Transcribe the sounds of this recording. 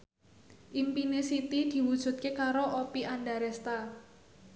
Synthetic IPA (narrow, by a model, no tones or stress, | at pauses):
ʔimpinesit̪id̪̥i̤wud̥ʒ̥ṳt̪̚kekaɾoʔopianɖaɾɛst̪a